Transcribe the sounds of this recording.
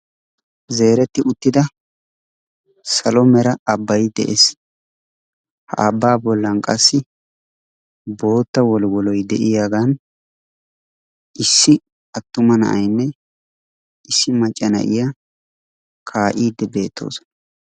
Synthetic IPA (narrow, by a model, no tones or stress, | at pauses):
ze̞ːɾɛt̪ːɪʊt̪ːɪd̪ɐ | sɐlɔmɛɾɐɐbːɐjd̪ɛ̰ʔḛs | hɐ̰ʔɐbːaːbɔlːɐnkʼɐsːɪ | bo̞ːt̪ːɐwɔlwɔlɔjd̪ɛʔɪjaɡan | ʔɪsːɪ | ɐt̪ːʊmɐnɐ̰ʔɐjnːɛ | ʔɪsːɪmɐt͡ʃʼːɐnɐ̰ʔɪjɐ | kʰaːʔiːd̪ːɛbe̞ːt̪ːo̞̰ːsɔ̥ɐ